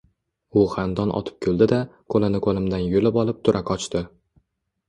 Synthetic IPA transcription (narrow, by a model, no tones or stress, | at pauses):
ʊχand̪ɒnʔɒ̰t̪ʰɪ̥p̚kʲʰolˠd̪ɪd̪akʰolanɪkʰolɪmd̪anjolɪpɒlˠɪp̚t̪ʰʊɾʔakɒt͡ʃt̪ɪ